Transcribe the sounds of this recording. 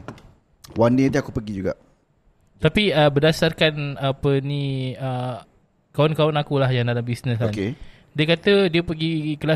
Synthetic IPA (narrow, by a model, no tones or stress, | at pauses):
wanit̪iakupəɡid͡ʒuɡa̰ʔ | t̪apiəbədasarkanapəniə | kawʊnkawʊnakulahjaŋdalambisnəsan | diəkat̪ədiəpəɡikəla